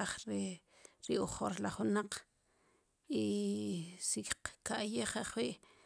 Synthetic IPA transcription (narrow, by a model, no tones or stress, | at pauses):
aχɾ | ɾioχoɾlaχunaq͡χ | i | sikkaʔjeχaχwiːʔ